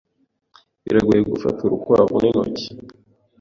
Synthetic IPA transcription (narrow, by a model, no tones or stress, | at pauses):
ḭɾeɡujeɡufa̰tʰuɾukuɾaβŋino̰ci̥